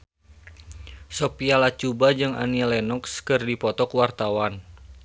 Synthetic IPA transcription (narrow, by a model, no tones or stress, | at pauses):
sopialat͡ʃubad͡ʒɨŋa̰nilɛnɔkskɨrdipɔt̪ɔkwart̪awan